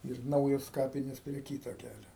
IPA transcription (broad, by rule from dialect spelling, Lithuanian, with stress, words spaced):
ɪr ˈnɐʊjoːs ˈkɑːpʲɪnʲeːs pʲrʲiɛ ˈkʲiːtoː ˈkʲælʲoː